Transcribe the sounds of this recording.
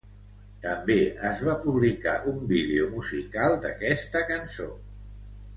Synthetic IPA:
t̪əmbeəzβapuβ̞lika̰ʔumbiðeumuzikalˠd̪ə̰kɛst̪əkənso

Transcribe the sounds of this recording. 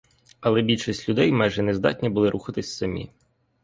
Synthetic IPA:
ɐlˠɛbʲilʲʃisʲtʲlʲʊd̪ɛjmɛjʒɛnezd̪ɑ̰tʲnʲibʊlˠɪɾʔuxɐt̪ɪsʲsɐmʲḭ

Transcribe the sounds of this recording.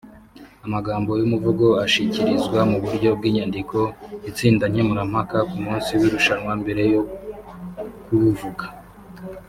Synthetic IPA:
amaɡaːmbo̞jumuvuɡo̞aʃiciɾizɡwamuβuɾɟo̞b̚ɡiːɲandikʰo̞it͡siːndaɲemuɾam̥hakakumuːnsiwiɾuʃanŋwambe̞ɾe̞jo | kuβuvuɡḁ

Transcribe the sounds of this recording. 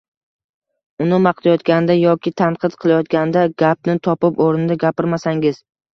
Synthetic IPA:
ʊnɪmɑqt̪ajɒt̪kʲand̪ajɒkʲɪt̪ʰanqʰɨd̪qʰɨlˠajɒt̪ɡʲand̪aɡʲap̚nɪt̪ʰɒpɪpoɾnɪd̪aɡʲapɪɾmasaŋɪz̥

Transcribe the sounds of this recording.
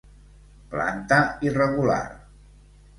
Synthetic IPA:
pla̰nt̪əirəɣula̰r

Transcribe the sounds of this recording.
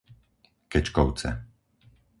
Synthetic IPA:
kɛt͡ʃkɔʊt͡sɛ̰

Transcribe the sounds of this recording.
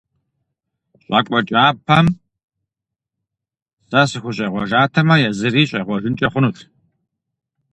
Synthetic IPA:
ɕʼakʷʼɔt͡ʃʼaːpʰɐm | sɐsɨxʷʊɕ̬ʼɐjʁʷɔʒaːtʰɐmɐjɛzɨɾiːɕʼɐjʁʷɔʒɨnt͡ʃʼɐχʷʊnuːtʰ

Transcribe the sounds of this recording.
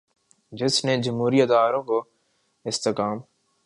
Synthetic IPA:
d͡ʒɪsned͡ʒəmɦuːɾijət̪aːɾõːko | ɪst̪ɪkaːm

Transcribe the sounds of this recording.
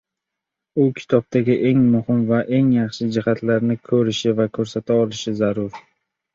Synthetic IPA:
ʊkʲʰɪ̥t̪ʰɒb̚t̪ʰaɡʲɪʔe̞ŋmʊhɪmvaʔe̞ŋjɑχʃɪd͡ʒɪhat̪laɾnɪkʰɵɾɪʃɪvakʰɵɾsat̪ʰaɒlɪʃɪzaɾʊɾ

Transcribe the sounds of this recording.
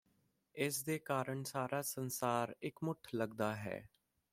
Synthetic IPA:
ɪsd̪eːkaːɾəɳsaːɾaːsənsaːɾɪkmʊʈʰləɡd̪aːɦɛ̰ː

